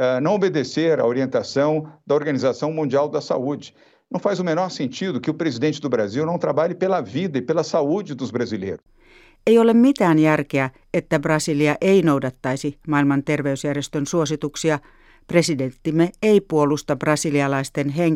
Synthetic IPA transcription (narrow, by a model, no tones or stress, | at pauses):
ɛnɐ̃w̃obed̪eseɾɐ̰oɾiẽnt̪asɐ̃w̃d̪ɐoɾɡɐnizasɐ̃w̃mũnd͡ʒiawd̪ɐsa̰ud͡ʒɪ | nnɐ̃w̃fajzʊmenɔɾsẽnt͡ʃid̪ʊkɪʊpɾezid̪ẽnt͡ʃɪd̪ʊbɾaziwnɐ̃w̃t̪ɾabaʎɪpelɐvid̪ɐɪpelɐsaud͡ʒɪd̪ʊzbɾazilḛjɾʊs | ejolemmit̪æːnjærk̟eæ | et̪ːæbrɑsiliɑʔeinowdɑt̪ːɑisimɑilmɑnt̪erʋeysjærjest̪ønsuosit̪uksiɑ | pre̞sident̪ːimːeeipuolust̪ɑbrɑsiliɑlɑist̪enɦeŋ